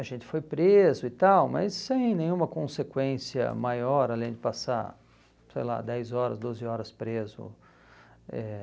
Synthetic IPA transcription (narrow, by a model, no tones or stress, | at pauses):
ɐʒẽnt͡ʃɪ̥fojpɾezʊɪt̪awmɐ̰jsːẽj̃nẽj̃ũmɐkõsekwẽsiɐ̰majɔɾalẽj̃d͡ʒɪpasa̰ɾ | sejla̰d̪ɛjzɔɾɐ̰zd̪ozɪɔɾɐspɾezʊ̰ | ɛ̰